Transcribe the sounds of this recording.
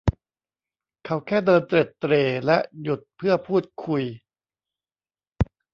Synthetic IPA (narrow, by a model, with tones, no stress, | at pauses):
kʰa˨˧˥wkʰɛː˥˩dɤː˧nt̪ɾe˨˩t̪ːɾeː˧lɛ˦˥ʔju˨˩t̪̚pʰɯ˥˩ɐpʰuː˥˩t̪̚kʰu˧j